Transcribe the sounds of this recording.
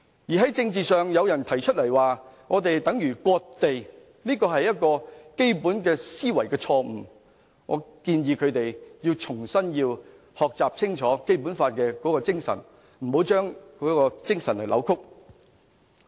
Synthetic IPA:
jiː˨˩ɦɐ˨˥jt͡sɪ˧ŋt͡siː˨sœː˨ŋjɐ˨˧wjɐ˨˩nt̪ʰɐ˨˩jt͡ʃʰɵ˥t̚lɐ˨˩jwaː˨ŋɔː˨˧t̪e˨jt̪ɐ˨˥ŋjyː˨˩kʷɔː˧k̚t̪e˨j | niː˥kɔː˧ɦɐ˨jːɐ˥t̚kɔː˧ke˥jpuː˨˥nkɛː˧siː˥wɐ˨˩jkɛː˧t͡sʰɔː˧m̩˨˩ | ŋɔ̰ː˨˧kiː˧njiː˧kʰɵ˨˧t̪e˨jjiː˧wt͡sʰʊ˨˩ŋsɐ˥njiː˧w | hɔː˨k̚t͡saː˨p̚t͡sʰɪ˥ŋt͡ʃʰɔː˨˥ke˥jpu˨˥nfaː˧t̚kɛː˧kɔː˨˥kɔː˧t͡sɪ˥ŋsɐ̰˨˩n | m̩˨˩ho˨˥wt͡ʃœː˥ŋkɔ˨˥kɔː˧t͡sɪ˥ŋsɐ˨˩nlɐ˨˩lɐ̰˨˧wkʰʊ˥k̚

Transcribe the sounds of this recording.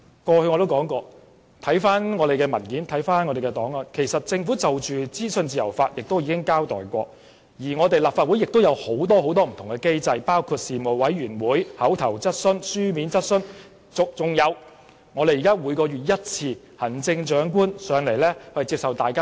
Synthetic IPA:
kɔː˧hɵ˧jŋɔ˨˧t̪o˥wkɔː˨˥ŋkɔː˧ | t̪ʰɐ˨˥jfaː˥nŋɔː˨˧ɾe˨jkɛː˧mɐ˨˩nkiː˨˥nt̪ʰɐ˨˥jfaː˥nŋɔː˨˧ɾe˨jkɛ˧t̪ɔː˨˥ŋlɔ˨nkʰe˨˩jsɐ˨t̚t͡sɪ˧ŋfuː˨˥t͡sɐ˨wt͡ʃyː˨t͡siː˥sɵ˧nt͡siː˨jɐ̰˨˩wfaː˧t̚jɪ˨k̚t̪o˥wjiː˨˥kɪ˥ŋkaː˥wt̪ɔ̰ː˨jkʷɔ̰ː˧ | jiː˨˩ŋɔː˨˧t̪e˨jlaː˨pfaː˧t̚wu˨˥jɪ˨k̚t̪o˥wjɐ˨˧who˨˥wt̪ɔː˥ɦo˨˥wt̪ɔː˥m̩˨˩t̪ʰʊ˨˩ŋkɛ˧ke˥jt͡sɐ˧jpaː˥wkʰu˧t̚siː˨mo˨wɐ˨˥jɥyː˨˩nwuː˨˥jhɐ˨˥wt̪ʰɐ˨˩wt͡sɐ˥t̚sɵ˥nsyː˥miː˨˥nt͡sɐ˥t̚sɵ˥n | t͡sʊ˨k̚t͡sʊ˨ŋjɐ˨˧w | ŋɔː˨˧ɾe˨jiː˨˩kaː˥wuː˨˧jkɔː˧ɥyː˨t̚jɐ˥t̚t͡sʰiː˧ | hɐ˨˩nt͡sɪ˧ŋt͡ʃœː˨˥ŋk̬uː˥nsœː˨˧ŋle˨˩jlɛː˥hɐ˨jt͡siː˧p̚sɐ˨wt̪aː˨jkaː˥

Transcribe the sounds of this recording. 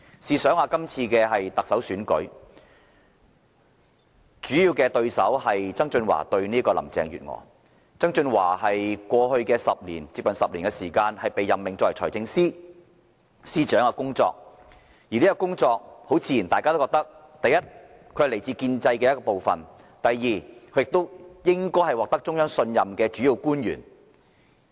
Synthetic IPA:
siː˧sœː˨˥ŋaː˧kɐ˥mt͡sʰiː˧kɛː˧ɦɐ˨jt̪ɐ˨k̚sɐ˨˥wsyː˨˥nkɵ̰˨˥ɥ | t͡ʃyː˨˥jiː˧wkɛː˧t̪ɵ˧ɥsɐ̰˨˥whɐ˨jt͡sɐ˥ŋt͡ʃɵ˧nwa̰ː˨˩t̪ɵ˧ɥniː˥kɔː˧lɐ̰˨˩mt͡sɛ̰ː˨˧ŋjy̰ː˨t̚ŋɔ̰ː˨˦ | t͡sɐ˥ŋt͡ʃɵ˧nwa̰ː˨˩ɦɐ˨jkʷɔː˧hɵ˧ɥkɛː˧sɐ˨p̚lḭː˨˩nt͡siː˧p̚kɐ˨nsɐ˨p̚liː˨nkɛ˧siː˨˩kaː˧nhɐ˨jpe˨jːɐ˨mːɪ˨ŋt͡sɔ˥wɐ˨˩t͡ʃʰɔ̰ː˨˩jt͡sɪ˧ŋsiː˥ | siː˥t͡ʃœː˨˥ŋɐ˧kʊ˥ŋt͡sɔ̰ː˧k̚ | jiː˨˩liː˥kːɔ˧˥kʊ˥ŋt͡sɔː˧k̚ho˨˥wt͡siː˧ji˨˩nt̪aː˨kaː˥t̪o˥wkɔ˧kt̪ɐ˥k̚ | t̪ɐ˨jɐ˥t̚ | kʰɵ˨˧˥le˨˩jt͡siː˧kiː˧nt͡sɐ˧jkɛ˧jɐ˥kɔː˧po˨wfɐ̰˨n | t̪ɐ˨jːiː˨˩kʰɵ˨˧ɥjɪ˨k̚t̪o˥wjɪ˥ŋkɔː˥jɦɐ˨jwɔː˨k̚t̪ɐ˥k̚t͡sʊ˥ŋjœː˥ŋsɵ˧njɐ˨mkɛː˧t͡ʃy˨˥ji˨˧wkuː˥njy̰ː˨˩n

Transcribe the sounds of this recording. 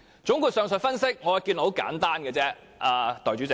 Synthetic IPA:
t͡ʃʊ˨˥ŋkuː˨˧t̚sœː˨ŋsɵ˨˧fɐ˥nsɪ˥k̚ŋɔː˨˧jki˧n˨˥ho˨˥wka̰ː˨˥nt̪aː˥nɡɛː˧t͡sɛː˦˥ | ʔaː˨˧t̪ɔ˨˩jt͡ʃy˨˥t͡sɪ˨˧

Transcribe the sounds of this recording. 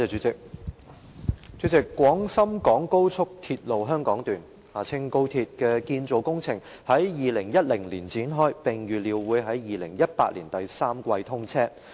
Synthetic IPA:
ɛː˨˧˩t͡ʃy˨˥t͡sɪ˨k̚ | t͡ʃy˨˥t͡sɪ˨kːʷwɔː˨˥ŋsɐ˥mkɔː˨˥ŋko˥wt͡sʰʊ˥k̚t̪ʰiː˧t̚lo˨wɦœː˥ŋkɔː˨˥ŋt̪yː˨n | haː˨˩t͡sʰɪ˥ŋko˥wt̪ʰiː˧t̚kɛː˧kiː˧nt͡so˨˧wkʊ˥ŋt͡sʰɪ˨˩ŋ | hɐ˨˥jjiː˨˧lɪ˨˩ŋjɐ˥t̚lɪ˨˩ŋliː˨˩nt͡siː˨˥nɦɔː˥jpɪ˨˩ŋjyː˨liː˨˧wwuː˨˧jɦɐ˨˥jjiː˨lɪ˨˩ŋjɐ˥t̚paː˧t̚lḭ˨˩nt̪ɐ˨jsaː˥mkʷɐ˧jt̪ʰʊ˥ŋt͡sʰɛː˥

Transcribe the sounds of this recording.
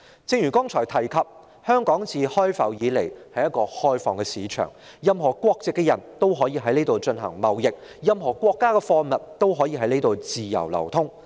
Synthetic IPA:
t͡sɪ˧ŋjyː˨˩kɔː˥ŋt͡ʃʰɔː˨˩jt̪ʰɐ˨˩jkʰɐ˨p̚ | hœː˥ŋkɔː˨˥ŋt͡siː˨˧hɔː˥jfɐ̰˨˩wjiː˨˧le˨˩jhɐ˨jɐ˥t̚kɔː˧hɔː˥jfɔː˧ŋkɛ˧siː˨˧t͡ʃʰœ̰ː˨˩ŋjɐ˨˧mɦɔː˨˩kʷɔː˧k̚t͡sɪ˨kːɛ˧jɐ̰˨˩nt̪o˥wɦɔː˨˥jiː˧ɦɐ˨˥jne˥jt̪o˨wt͡ʃɵ˧nɦɐ̰˨˩ŋmɐ˨wjɪ˨k̚ | jɐ˨mɦɔː˨˩kʷɔː˧kːaː˥kɛ˧fɔː˧mɐ˨t̚t̪o˥wɦɔː˨˥jiː˧ɦɐ˨˥jne˥t̪o˨wt͡siː˨jɐ̰˨˩wlɐ̰˨˩wt̪ʰʊ˥ŋ

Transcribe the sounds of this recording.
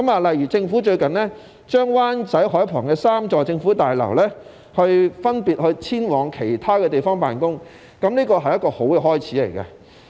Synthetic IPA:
kɐ˨˦˥maː˨lɐ˨jyː˨˩t͡sɪ˧ŋfuː˨˥t͡ʃɵ˧ɥkɐ˨nlɛː˥ | t͡ʃœː˥ŋwaː˥nt͡sɐ˨˥jhɔː˨˥jpʰɔː˨˩ŋkɛː˧saː˥mt͡sɔː˨t͡sɪ˧ŋfu˨˥t̪aː˨jlɐ̰˨˩wlɛː˥ | hɵ˧ɥfɐ˥npiː˨t̚hɵ˧ɥt͡sʰiː˥nwɔː˨˩ŋkʰe˨˩jt̪ʰaː˥kɛː˧t̪̬e˨jfɔː˥ŋpaː˨nkʊ˥ŋ | kɐ˨˥mniː˥kɔː˧ɦɐ˨jɐ˥t̚kɔː˧ho˨˥wkɛː˧ɦɔː˥jt͡sʰiː˨˥lḛ˨˩jkɐ̰˧

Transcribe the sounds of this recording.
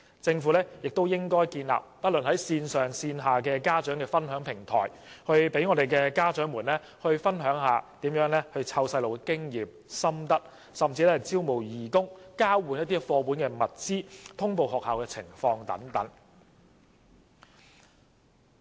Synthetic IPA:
t͡sɪ˧ŋfu˨˥lɛː˥jɪ˨k̚t̪o˥wjɪ˥ŋkɔː˥jkiː˧nla̰ː˨p̚pɐ˥t̚lɵ˨nhɐ˨˥jsiː˧nsœː˨ŋsiː˧nɦaː˨kɛː˧kaː˥t͡ʃœː˨˥ŋkɛː˧fɐ˥nɦœː˨˥ŋpʰɪ˨˩ŋt̪ʰɔ̰ː˨˩jhɵ˧ɥpe˨˥jŋɔː˨˧ɾe˨jkɛ˧kaː˥t͡ʃœː˨˥ŋmuː˨˩nlɛː˥ | hɵ˧ɥfɐ˥nɦœː˨˥ŋɦaː˨t̪iː˨˥mjœː˨˥ŋlɛ˥hɵ˧ɥt͡sʰɐ˧wsɐ˧jlo˨wɛkɪ˥ŋjiː˨p̚ | sɐ˥mt̪ɐ˥k̚ | sɐ˨mt͡siː˧lɛː˥hɐ˨˩jt͡siː˥wmo˨˩wjiː˨˩kʊ˥ŋkaː˥wwu˨njɐ˥t̚t̪iː˥fɔː˧pwu˨˥nkɛː˧mɐ˨t̚t͡siː˥t̪ʰʊ˥ŋpo˧wɦɔː˨k̚haː˨wkɛː˧t͡sʰɪ̰˨˩ŋfɔː˧ŋt̪ɐ̰˨˥ŋt̪ɐ˨˥ŋ

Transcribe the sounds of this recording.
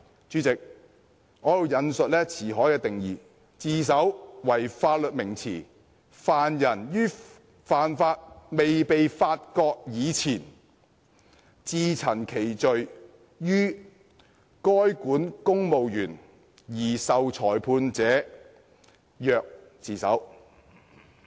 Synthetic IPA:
t͡ʃyː˨˥t͡sɪ˨k̚ | ŋɔː˨˥jo˨˧wjɐ˨˧nsɵ˨t̚lɛː˥t͡sʰiː˨˩ɦɔː˨˥jkɛː˧t̪ɪ˨ŋjiː˨ | t͡siː˨˧s̬ɐ˨˥wwɐ˨˩jfaː˧t̚lɵ˨t̚mɪ˨˩ŋt͡sʰḭː˨˩ | faː˨njɐ˨˩njyː˥ | faː˨˩nfaː˧t̚me˨jpe˨jfaː˧t̚kɔː˧k̚jiː˨˧t͡sʰiː˨˩n | t͡siː˨˧t͡sʰɐ˨˩nkʰe˨˩jt͡ʃɵ˨ɥ | jyː˥ | kɔː˥jkuː˨˥nkʊ˥ŋmo˨wjyː˨˩n | jiː˨˩sɐ˨wt͡sʰɔː˨˩jpʰuː˧nt͡sɛː˨˥ | jœː˨k̚ | t͡siː˨˩sɐ̰˨˥w

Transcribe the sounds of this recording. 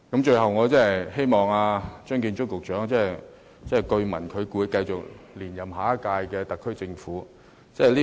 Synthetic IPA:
kɐ˨˥mt͡ʃɵ˧ɥhɐ˨wŋɔː˨˧t͡sɛː˥ɐ˨˩jhe˥jmɔː˨˩ŋaː˧t͡ʃœː˥ŋk̬iː˧nt͡ʃʊ˥kkʊ˨k̚t͡ʃœː˨˥ŋt͡sɛː˥j | t͡sɛː˥˩jkɵ˧ɥmɐ˨˩nkʰɵ˨˧ɥkuː˨˧˥jkɐ˧jt͡sʊ˨k̚liː˨˩njɐ˨˩mɦaː˨˥kaː˧jkɛː˧t̪ɐ˨kʰːɵ˥ɥt͡sɪ˧ŋfuː˨˥ | t͡sɛː˥˩liː˥

